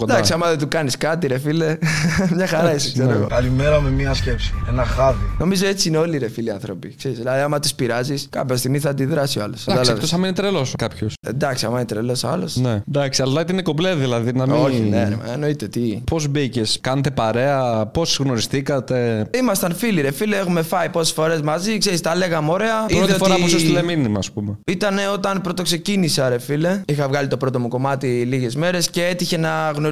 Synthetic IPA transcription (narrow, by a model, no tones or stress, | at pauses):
kod̪aksiɐmɐðet̪ukɐniskɐt̪̬iɾefilemɲɐxɐɾɐisikseoeɣo̞kɐlimeɾɐmemiɐscepsi̥enɐxɐðino̞mizoet͡siineo̞liɾefiliɐnθɾo̞pikseɾisðilɐðiɐmɐt̪ispiɾɐziskɐ̰pçɐs̬t̪iɣmiθɐːnd̪iðɾɐsialosd̪ɐlt̪osɐmenit̪ɾeloskɐpçosḛd̪ɐksiɐmɐenit̪ɾelo̞sɐ̰lo̞̰sned̪ɐksiɐllɐt̪iineko̞pleðilɐðinɐmionen̰m̰eno̞it̪et̪ipo̞zbiceskɐnet̪epɐɾe̞ɐpo̞sɣno̞ɾistθikɐt̪e̞imɐst̪ɐnfiliɾefileexume̞fɐipose̥sfo̞ɾe̞zmɐzikse̞ɾist̪ɐle̞ɣɐmoɾeɐiɾofoɾasust̪ileminimɐːspumeit̪ɐneo̞t̪ɐnpɾo̞t̪o̞kse̞cinisɐɾe̞file̞ixɐvɣɐlit̪o̞pɾo̞t̪o̞muko̞mɐt̪iliʝe̞zme̞ɾe̞sce̞et̪içe̞nɐɣno